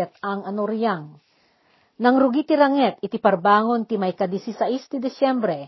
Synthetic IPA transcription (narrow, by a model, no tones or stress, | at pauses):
ɛt̪̚aŋɐnoɾjaŋ | nɐŋɾʊɡit̪ɪɾaŋɛt̪ɪt̪ipɐɾbaːŋonk̪ɪmajkad̪isisaʔist̪ɪd̪ɪsɛmbɾɛ